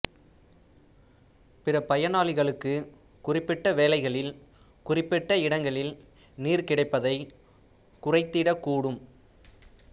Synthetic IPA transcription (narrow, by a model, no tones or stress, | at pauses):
pɪrɐpɐjɐnaːɭɪɣɐɭɯkːɯ | kʊrɪpːɪʈːɐʋeːlɐɪɣɐɭɪl | kʊrɪpːɪʈːɐɪɽɐŋɡɐɭɪl | niːɾkɪɽɐɪpːɐðɐɪ | kʊrɐɪt̪ːiːɽɐkːuːɽɯm